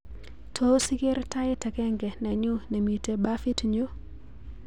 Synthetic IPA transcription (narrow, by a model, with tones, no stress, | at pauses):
tʰo˦si˦ke˦ɾta˦ɪ˦tɛ˨kɛ˦ŋɡɛ˨nɛ˨ɲu˦ne˨mi˨te˨ba˦fi˦tɲo˦